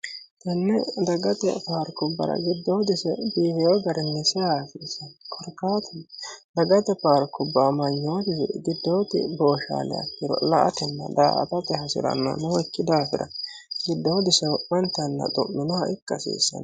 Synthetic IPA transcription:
t̪ɐnːɛd̪ɐɡɐt̪ɛ̰paːɾkʊbːɐ̰ɾɐ̰ɡɪd̪ːoːd̪ɪsɛbiːwɛjɔɡɐɾɛnːɛsɛjaːsiːsːɐnkʰɔɾkːaːt̪ʰɛnd̪ɐɡɐt̪ɛpaːɾkʊbːamɐɲːoːt̪ɪ̰ɡɪd̪ːo̞ːt̪ɪ̰bo̞ːʃa̰ːlɛ̰ɐ̰kːɪɾɔ̰lɐʔɐt̪ɛnːɐ̰d̪a̰ːɐ̰pɐt̪ɛɦɐsɪ̰ɾɐ̰nːo̰nɛwɔkːɪd̪aːfɪɾɐ̰ | ɡɪd̪ːo̞ːd̪ɪsɛwɔwɐnt̪ːɐnːɐ̰d̪ɔʔʊnɐɐʔɪkːɐsḭːsːɐ̰n

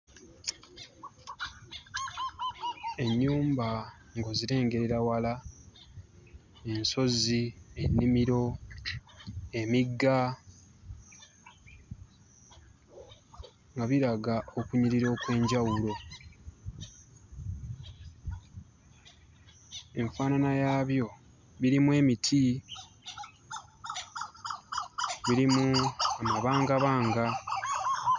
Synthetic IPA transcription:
e̞ɲːuːmba | ŋɡo̞ziɾe̞ːŋɡe̞ɾeɾawala | e̞nso̞zienːimiɾo̞ | emiɡːa | ŋɡaβiɾaɡao̞kuɲiɾiɾo̞ːkwe̞ːɲɟawulo̞ | e̞ɱfaːnanajaːβjo̞ | βiɾimwe̞ːmitʰi | βiɾimuamaβaːŋɡaβaːŋɡa

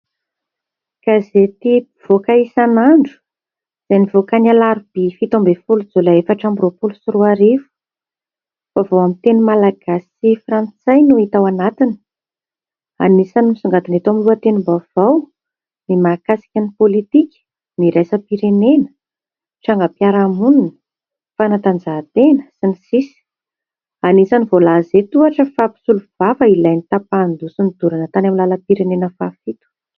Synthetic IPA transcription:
kazet̪i | v̥okaisanaɳɖ͡ʐu̥ | z̥anivokanalaɾub̥ifit̪ombefulud͡zulaefaʈ͡ʂambiropulusiruaɾivu̥ | favowamit̪enumalaɡ̥asifrant͡sajnuit̪awanat̪inə̥ | a̰nisanumsuŋɡat̪inet̪amiluət̪enumbav̥aw | nimaːkasi̥kʲanipolit̪ikʲə̥ | niɾajsəpiɾenenə̥ | ʈ͡ʂaŋɡəpjaɾamununə̥ | fanat̪and͡zat̪enəsinisisi̥ | anisanivolazet̪uaʈ͡ʂəfapi̥suluv̥avəilajnit̪apand̪usunid̪uɾanət̪anamilaləpiɾenenəfafit̪u̥

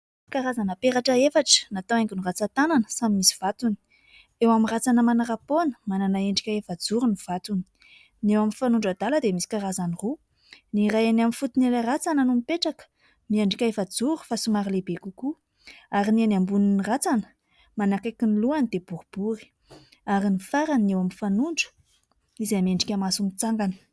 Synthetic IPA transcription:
kaɾazanəpeɾaʈ͡ʂəefaʈ͡ʂə̥nat̪owaŋɡinurat͡sat̪ananəsamimisi̥v̥at̪uni̥ | ewamirat͡sanəmanaɾaponə̥mananaeɳɖ͡ʐikʲaefad͡zuɾuniv̥at̪uni̥ | newaminfanuɳɖ͡ʐad̪aləd̪emisi̥kaɾazaniru | nirajanamifut̪inelarat͡sanənumipeʈ͡ʂakə̥ | mieɳɖ͡ʐikʲaefad͡zuɾi̥fasumaɾilebekuku | aɾinianambuninirat͡sanə̥ | manakakʲiniluanid̪ebuɾub̥uɾi̥ | aɾinifaɾaniewamifanuɳɖ͡ʐə̥ | izameɳɖ͡ʐikʲamasumit͡saŋɡani̥

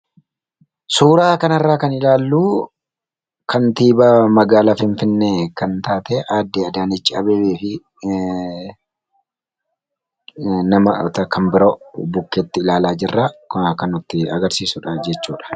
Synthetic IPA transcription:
suːɾaːkɐnɐrːaːkɐnɪlaːlːuː | kʰɐnt̪iːbɐmɐɡaːlafɪnfɪnːeːkɐnt̪aːt̪eːʔaːd̪ːeːɐd̪aːnɪt͡ʃːɪɐbeːbeːfɪ | nɐmɐt̪ɐkɐmbɪɾoːbʊkːeːt̪ːɪɪlaːlaːd͡ʒɪrːaːkkɐnʊt̪ːɪɐ̰ɡɐɾsiːsʊᶑɐd͡ʒɛt͡ʃːuːᶑɐ̥

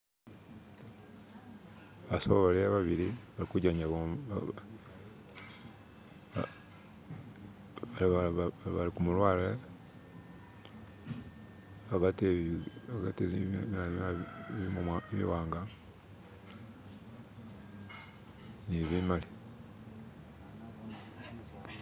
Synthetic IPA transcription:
βasoβaβaliaβaβiliβalikuɟaɲao | aaβalikumulwaːlile | βaɡateaɡateminamaβimumaβḭwaːŋɡa | niβimali

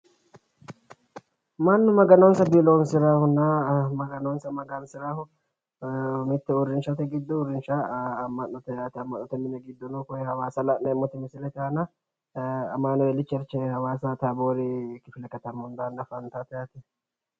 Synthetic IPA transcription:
mɐnːʊmɐɡɐnoːnsɐbiloːnsɪɾaːhʊnamɐɡɐnoːnsɐmɐɡɐnsɪɾaːhʊ | mɪt̪ːɛʊɾɪnʃɐt̪ɛɡɪd̪ːɔʊɾɪnʃɐːmːɐnːɔt̪ɛjaːt̪ɛɐmːɐʔnːɔt̪ɛmɪnɛɡɪd̪ːɔnukʊjɛhɐwaːsɐlɐʔnɐɪmːɔt̪ɛmɪsɪlɛt̪aːnɐ | ɐ̰maːnɐjɛlɪt͡ʃːɐɾt͡ʃːɛhɐwaːsɐt̪ɐboːɾɪkɪfɪlɛkːɐt̪ɐmʊnd̪anːɐfɐnt̪at̪ɐjaːt̪ɛ

